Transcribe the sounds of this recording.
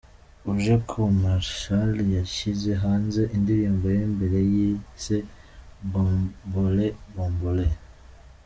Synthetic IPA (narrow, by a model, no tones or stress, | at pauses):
uʒokʰomaɾʃaljaʃize̞ɦaːnze̞ʔindiɾiːmbojeːmbeɾejiːse | boboleboːmbole